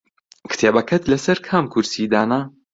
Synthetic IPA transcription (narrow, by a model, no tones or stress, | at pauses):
kɨ̥t̪ʰeːbɐkʰɐt̪lɐsɐɾkʰaːmkʰuɾsid̪aːna